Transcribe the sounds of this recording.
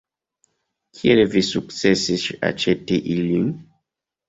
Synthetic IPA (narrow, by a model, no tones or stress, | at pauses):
kʰielvisuk̚t͡sesiʃa̰t͡ʃeteʔilin